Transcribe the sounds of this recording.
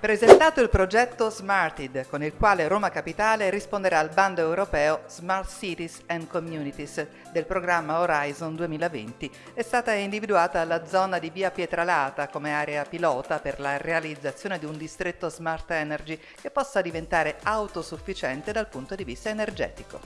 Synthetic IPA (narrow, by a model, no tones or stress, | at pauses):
pɾezent̪aːt̪oilpɾod͡ʒɛt̪ːozmart̪id̪konilkwaːleɾoːmakapit̪aːleɾispond̪eɾaːlband̪oewɾopɛːozmart̪sit̪isɛnd̪komjuːnit̪is | d̪elpɾoɡɾamːaoɾajzond̪uemiːlavḛnt̪i | ɛst̪aːt̪aind̪ivid̪uaːt̪aːlːad̪zɔnad̪iviːapjet̪ɾalaːt̪akomeaːɾeapilɔːt̪aperlarealid̪zːat̪sːjoːned̪iund̪ist̪ɾet̪ːozmart̪ɛnerd͡ʒi | kepːɔsːad̪ivent̪aːɾeawt̪osufːit͡ʃɛnt̪ed̪alpunt̪od̪ivist̪aenerd͡ʒɛ̰ːt̪iko